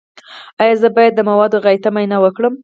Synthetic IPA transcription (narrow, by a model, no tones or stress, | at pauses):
ɑjɑzəbɑjad̪ːəmawɑd̪oɣajt̪amajnɑwəkɽəm